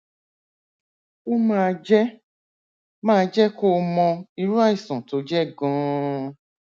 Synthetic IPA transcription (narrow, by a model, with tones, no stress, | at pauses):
o˦mãː˦˧d͡ʒɛ˦ | mãː˦˨˧d͡ʒɛ˦ko˦˧mɔ̃˧i˧ɾu˦a˦˨i˨sɔ̃˨to˨˦d͡ʒɛ˦˨ɡɔ̃˨˦